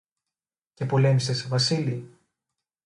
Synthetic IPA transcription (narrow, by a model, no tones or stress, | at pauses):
ce̞po̞le̞mist̪esevɐsili